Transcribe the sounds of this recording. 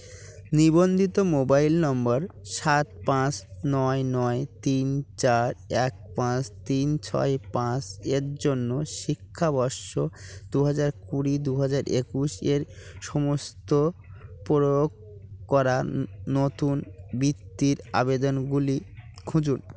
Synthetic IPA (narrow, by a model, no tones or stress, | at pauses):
nibond̪ʱit̪omobailnɔmbaɾʃat̪̚pãt͡ɕnɔenɔet̪int͡ɕaɾɛk̚pãt͡ɕt̪int͡ɕʰɔ̰epãt͡ɕeɾd͡ʑonːoʃikʰːabɔɾʃod̪̥uɦad͡ʑaɾkuɾid̪uɦad͡ʑaɾʔekuʃeɾʃɔmost̪opoɾook | kːɔɾaːot̪unbit̪ːiɾa̰bed̪onɡulikʰũd͡ʑun